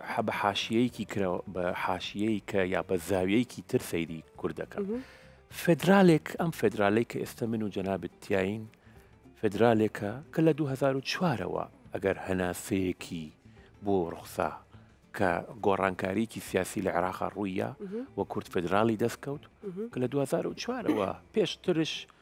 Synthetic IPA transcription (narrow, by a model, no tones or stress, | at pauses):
bɐħaːʃijɐjkʰikʰɾɐbɐħaːʃijeikʰɐjaːbɐzaːwijɛjkʰiːt̪ʰɨɾsɐjd̪ikʰʊɾd̪ɐkʰɐm | fed̪ɾaːleːkʰɐmfed̪ɾaːlɐjkʰɐʔeːst̪ɐmɨnud͡ʒɐnaːbɨt̪ʰːijaːjin | fed̪ɾaːlekʰɐkʰɐlɐd̪uɦɐzaːɾut͡ʃwaːɾɐ̰wɐ̰ʔɐɡɐɾhɐnaːsejekʰi | boːrʊ̰xsa̰ | kʰɐ̰ɡoːra̰ːnkʰaːɾijekisijaːsilɐʕḛɾaːqɑ̰rujːa̰wɐkʰʊɾd̪fed̪ɾaːlˠid̪ɐst̪̚kɐwt̪kɐlɐd̪uhɐzaːɾut͡ʃʰwaːɾɐ̰wɐ̰peːʃt̪ɨɾɨʃ